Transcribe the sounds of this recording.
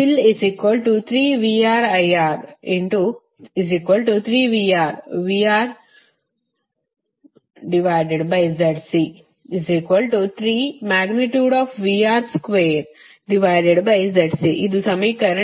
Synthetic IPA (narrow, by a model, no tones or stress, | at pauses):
ilisikʋəlʈut̪ʰɾiːʋiaːɾɐjaːɾĩɳʈu | izikʋəlʈut̪ʰɾiːʋiaːɾʋiːaːɾ | ɖiʋaɪɖeɖbaɪzɐʈsi | izikʋəlʈut̪ʰɾiːmaːɡniʈjuːɖɔːfʋiːaːɾskʋeːɾ | ɖiʋaɪɖeɖbajzɐʈsiʔid̪usɐmɐjkɐɾə